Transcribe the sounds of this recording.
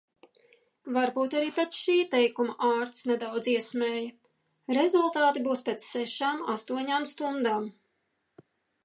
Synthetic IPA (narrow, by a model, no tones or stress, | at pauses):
vaɾbuːt̪aɾiːpet̪ʃiːt̪ɛjkumaʔaːɾt̪snɛd̪awd̪ziɛsmʲɛːjɐ | ɾezulˠt̪aːt̪ibuːspʲet̪sːɛʃaːma̰st̪uɔɲaːmst̪und̪aːm